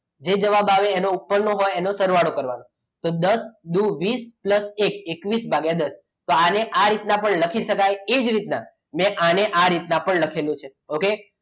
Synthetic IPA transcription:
d͡ʒed͡ʒəʋabaʋeːnoupːəɾnõɦojenosəɾʋaɽokəɾʋano | t̪od̪əsɗ̪uʋispləsek̚ekʋisbʱaɡed̪əs | t̪oaneʔaɾit̪napəɳləkʰiʃəkajed͡ʒɾit̪na | mɛ̃ʔaneʔaɾit̪napəɳləkʰelũt͡ʃʰeoke

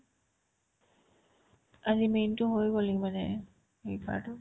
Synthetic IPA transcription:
azimentʊɦojɡolimanɛ̰ | ejkʰa̰tʊ

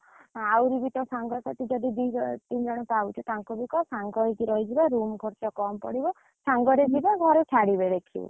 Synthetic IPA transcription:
awɾibit̪ɔsaŋɡɔsat̪id͡ʒɔd̪id̪it̪ind͡ʒɔɽ̃ɔpawt͡ʃʰut̪aŋkɔbikɔsaŋɡɔikiɾɔjd͡ʒibaɾumɡʱɔɾt͡ʃɔkɔmpɔɽibɔ | saŋɡɔɾed͡ʒibaɡʱɔɾɔt͡ʃʰaɽibeɾekʰḭbɔ̰

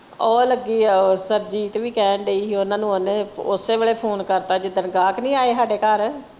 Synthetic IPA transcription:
oːləɡiːsəɾd͡ʒiːt̪ʋiːkɛːɳɖeiːɦiʊnãːnũːəneːʊseːʋeːɭeːpʰoːnkəɾt̪aːd͡ʒɪd̪ənɡaːknĩːaːeːsaːɖeːkəɾ

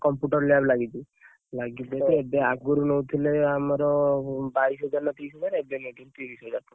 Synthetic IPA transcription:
kɔmpjuʈɔɾlablaɡit͡ʃʰi | laɡibeiebeaɡuɾunɔwt̪ʰileamaɾɔbaisɦɔd͡ʒaɾnɔt̪isɔd͡ʒaɾebemeɖunt̪iʋisɦɔd͡ʒaɾt̪u

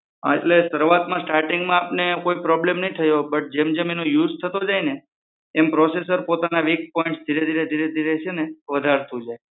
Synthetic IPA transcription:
əeʈlesəɾʋat̪mãsʈaɾʈiŋɡmãapnekoipɾɔblemnəɦĩt̪ʰəjobəʈ̚d͡ʒemd͡ʒemenojud͡ʒt̪ʰət̪od͡ʒajneː | mpɾɔsesəɾpot̪anaʋik̚pɔĩɳʈsd̪ʱiɾed̪ʱiɾed̪ʱiɾed̪ʱiɾet͡ʃʰeneʋəd̪ʱaɾt̪ʰũd͡ʒaj

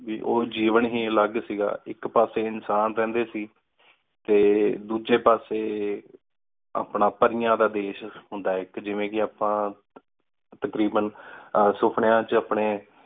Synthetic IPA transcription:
ʋiːʔoːd͡ʒiːʋənɦiːələɡsiːɡa̰ːɪkpaːseːɪnsaːnɾɛ̃ːnd̪eːsiː | t̪eːd̪uːd͡ʒeːpaːseː | a̰ːpɳaːpəɾijãːd̪aːd̪eːʃɦʊnd̪aːɪkd͡ʒɪʋẽːkɪaːpãː | t̪əkɾiːbənsʊpʰɳjãːt͡ʃaːpɳeː

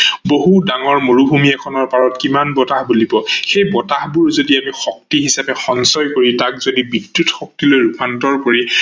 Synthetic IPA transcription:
boɦudaŋɔɹmoɹubʱumiɛkʰɔnɔɹpaɹɔt̚kimanbɔtahbulibɔxejbɔtahbuɹzodiamixɔk̚tiɦisapɛxɔnsɔjkoɹitakzodibidjutxɔk̚tilojɹupʰantɔɹkoɹi

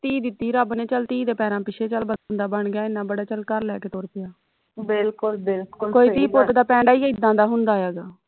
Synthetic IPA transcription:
t̪iːd̪ɪt̪ːiːɾəbnẽːt͡ʃəlt̪iːd̪eːpɛːɾãːpɪt͡ʃʰeːt͡ʃəlbə̃nd̪aːbəɳɡɪjaːɪnãːbəɽaːt͡ʃəlkəɾlɛːkeːt̪oːɾpɪjaː | bɪlkʊlbɪlkʊlkoːiːt̪iːpoːt̪d̪aːpɛ̃ːɳɖaːiːɪd̪ãːd̪aːɦʊnd̪aːɛːɡaː

